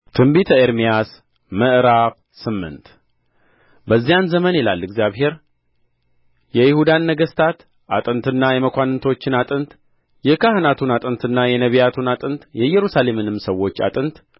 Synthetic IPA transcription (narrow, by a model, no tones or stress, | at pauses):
t̪ʰɨmbit̪ʰəeɾmijas | məʔɨɾaq | sɨmːɨ̰nt̪ | bəzːijanzəmənila̰lːɪɡzjaβɦe̞ɾ | jɛjɪhud̪anːəɡəst̪ʰat̪ | ʔat̪ʼɨnt̪ɨnːajɛməkʷanɨnt̪ʰo̞t͡ʃːɪnat̪ʼɨnt̪ | jɛkʰahɨnat̪ʰunat̪ʼɨnt̪ʰɨnːajɛnəβijat̪ʰunat̪ʼɨnt̪jɛjɛɾusale̞mɨnɨmsəwːo̞t͡ʃːa̰t̪ʼɨnt̪